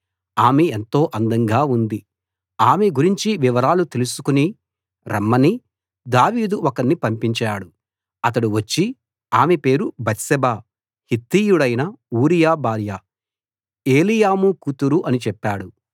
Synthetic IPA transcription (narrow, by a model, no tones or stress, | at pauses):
aːmeent̪o̞ːʔɐnd̪ɐŋɡaːund̪i | aːmeɡuɾiɲt͡ʃiʋiʋɐɾaːlut̪e̞lusu̥kuni | ɾɐ̰mːɐni | d̪aːʋiːd̪uɔkɐnːipɐmpiɲt͡ʃaːɽu | ɐt̪̬ɐɽuʋɐt͡ʃːi | aːmepe̞ːɾubɐt̪sɛbaː | hit̪ːiːjuɽɐjnɐuːɾijaːbaːɾjɐ | e̞ːlijaːmukut̪uɾuʔɐnit͡ʃɛpːaːɽu